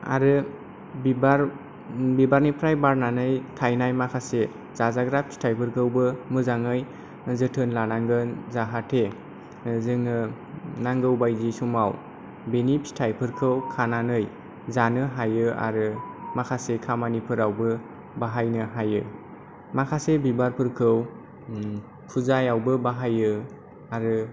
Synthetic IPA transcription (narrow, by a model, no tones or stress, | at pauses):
a̰ɾɯ | ibaɾ | bibaɾnipʰɾajbaɾnanɯjtʰajnajmakʰase | z̥azaɡɾap̚sʰi̥tʰajpʰɯɾkʰɯwbɯmɯzaŋɯj | zɯtʰɯnlanaŋɡɯnzaɦatʰe | zɯŋɯ | naŋɡɯwbajzisumaw | benipʰsi̥tʰajpʰɯɾkʰɯwkʰananɯj | zanɯɦajɯa̰ɾɯmakʰasekʰamanipʰɯɾawbɯ | baɦajnɯɦajɯ | makʰasebibaɾpʰɯɾkʰɯw | pʰuzajawbɯbaɦajɯ | aɾɯ